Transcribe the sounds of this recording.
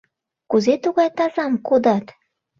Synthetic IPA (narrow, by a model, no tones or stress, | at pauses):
kuzet̪uɣɑjt̪ɑzɑmkud̪ɑt̪